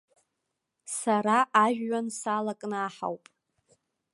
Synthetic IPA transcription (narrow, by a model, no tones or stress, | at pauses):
saɾaʔːʒᶣɥansalakʼnɨaħa̰wpʼ